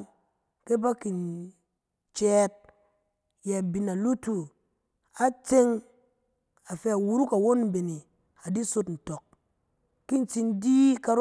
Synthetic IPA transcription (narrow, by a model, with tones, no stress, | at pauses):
ke˦ba˦ki˨n | t͡ʃɛ˦t̚ | ja˨bi˨na˨lu˦tu˨ | a˦t͡se˦ŋ | a˨fe˧a˨wu˦ɾu˦ka˨wo˦n̩˨be˨ni˨ | a˨di˦so˦tn̩˨to˨kː | i˦n˨t͡si˧ndi˦ka˧ɾ